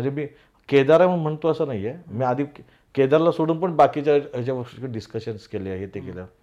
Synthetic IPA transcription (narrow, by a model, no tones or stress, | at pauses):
m̤əɳd͡zemiː | ked̪aɾam̤əɳm̤əɳt̪oəsəːnaɦijemiːad̪ʱiː | ked̪aɾlasoɽuːnpəɳbakit͡ɕjat͡ɕjaʋəɾʂkɖiskəɕənskeleaɦet̪ekelja